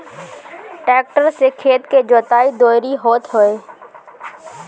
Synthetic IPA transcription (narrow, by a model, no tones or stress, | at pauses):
ʈeːk̚ʈəɾseːkʰeːt̪keːd͡ʒoːt̪aːiːd̪oːɪɾiːɦoːt̪ʰɦoːeː